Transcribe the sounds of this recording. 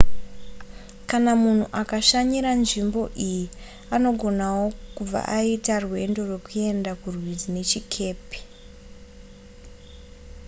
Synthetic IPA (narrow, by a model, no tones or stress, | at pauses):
kanamun̤uʔakaʃaɲiɾanʐimbo̞ʔiji | ano̞ɡʱo̞nawo̞kub͡va̰ʔaitarwe̞ndo̞rwe̞kue̞ndakurwid͡zine̞t͡ʃikʰe̞ːpe̥